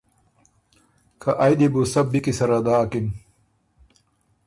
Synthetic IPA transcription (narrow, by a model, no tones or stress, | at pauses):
kʰaʔajd̪ibusɐb̚bikisɐɾad̪aːkin